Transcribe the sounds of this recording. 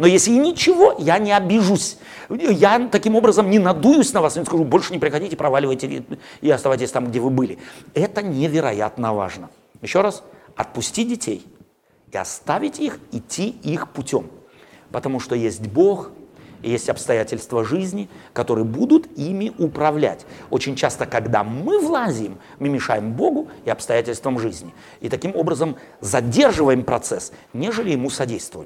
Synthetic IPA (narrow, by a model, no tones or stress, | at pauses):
nojesʲlʲɪinʲɪt͡ɕɪvo̞janʲɪɐbʲɪʐusʲ | jat̪ɐkʲimo̞bɾəzəmnʲɪnɐd̪ujʊsʲnɐvasnʲɪskɐʐubo̞lʲʂɨnʲɪpɾʲɪxɐdʲitʲɪpɾɐvalʲɪvəjtʲɪɪɐst̪ɐvajtʲɪsʲt̪amɡdʲevɨbɨlʲɪɛt̪ənʲɪvʲɪɾɐja̰t̪nəva̰ʐnə | jɪɕːo̞ɾasɐt̪̚pʊsʲtʲidʲɪtʲʰḛj | ɪɐ̰st̪avʲɪtʲixɪtʲʰːiixpʊtʲom | pət̪ɐmuʂt̪ojesʲtʲbo̞xijesʲtʲɐpst̪ɐjætʲɪlʲst̪vəʐɨzʲnʲɪkɐt̪o̞ɾɨjəbud̪ʊt̪imʲɪʔʊpɾɐvlʲæ̰tʲo̞t͡ɕɪnʲt͡ɕast̪əkɐɡd̪a̰mɨvlˠazʲɪɪmːɨmʲɪʂajɪmbo̞ɡʊɪɐpst̪ɐjætʲɪlʲst̪vəmʐɨzʲnʲɪ | it̪ɐkʲimo̞bɾəzəm | zɐdʲe̞rʐɨvəjɪmpɾɐt̪sɛsnʲeʐɨlʲɪjɪmusɐdʲejst̪vʊv